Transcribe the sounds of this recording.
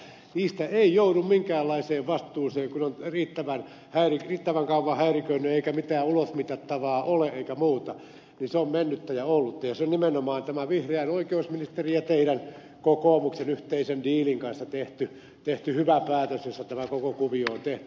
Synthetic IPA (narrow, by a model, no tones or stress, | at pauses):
niːst̪æeijouɾummiŋkæːlːɑiseːʋʋɑst̪ˑuːseːŋkunonriːt̪ːæʋæn | hæiririːt̪ːæʋæŋkɑuʋːɑhæirikøinːyeikæmit̪æːulosmit̪ɑt̪ːɑʋɑːʔoleʔeikæmuːt̪ɑ | ninseommenːyt̪ːæjɑolːut̪ːɑjɑseonnimenomɑːnt̪æmæʋihreæinoikeusminist̪erijɑt̪eiɾæn | kokoːmuksenyht̪eisendiːliŋkɑnsːɑt̪eht̪y | t̪eht̪yhyʋæpæːt̪øsjosːæt̪æmækokokuʋioːnt̪eht̪y̥